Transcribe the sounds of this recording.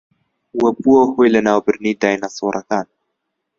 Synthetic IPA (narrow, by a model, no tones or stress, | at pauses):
wɐbuwɐhoːjlɐnaːwbɨɾniːd̪aːjnasoːɾʔɐkaːn